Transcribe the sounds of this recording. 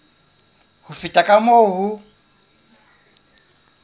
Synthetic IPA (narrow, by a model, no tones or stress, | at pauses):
hufitʼakʼamoːɦu